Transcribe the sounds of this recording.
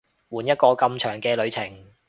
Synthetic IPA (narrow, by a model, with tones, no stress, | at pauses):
wuː˨˩njɐ˥t̚kɔː˧kɐ˧mt͡ʃʰœː˨˩ŋkɛː˧lɵ˨˧ɥt͡sʰɪ˨˩ŋ